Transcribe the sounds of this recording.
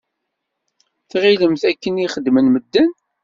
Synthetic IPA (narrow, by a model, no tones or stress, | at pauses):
θʁiləmθækːəniχəd̪ːmənməd̪ːən